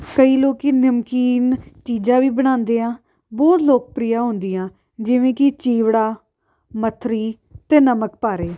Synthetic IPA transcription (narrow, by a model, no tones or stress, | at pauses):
kəiːloːkinəmkiːnt͡ʃiːd͡ʒãːʋiːbəɽ̃ãːnd̪eːãː | bɔːt̪loːk̚pɾiːaːɦʊ̃nd̪iːãː | d͡ʒɪʋẽːkɪt͡ʃiːʋɽaː | mət̪ʰɾiː | t̪eːnəmək̚paːɾeː